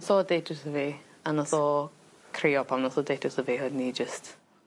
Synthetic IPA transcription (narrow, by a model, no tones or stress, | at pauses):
sɔdeːtʰʊsəviː | anɔsɔ | kʰriɔpʰamnɔsɔdetʰʊsəviːhodnid͡ʒəst